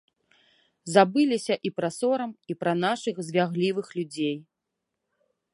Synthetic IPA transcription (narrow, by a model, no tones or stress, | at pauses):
zabɨlʲisʲɐʔipɾɐsɔɾɐmipɾɐnaʂɨxzʲvʲaɣlʲivɨxlʲud͡zʲej